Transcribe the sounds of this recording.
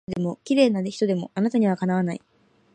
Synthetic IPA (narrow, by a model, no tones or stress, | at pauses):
d̪e̞mo̞kʲiɾe̞ːnad̪eçi̥t̪o̞d̪e̞mo̞ʔanat̪aɲ̟iβ̞akanaβ̞anai